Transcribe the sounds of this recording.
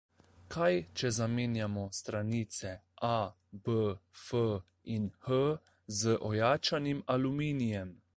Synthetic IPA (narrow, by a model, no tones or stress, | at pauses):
kʰajt͡ʃɛzameːnjamɔst̪ɾaniːt̪sɛʔa | bəfə | inhə | zəʔɔjaːt͡ʃanimalumiːnijɛm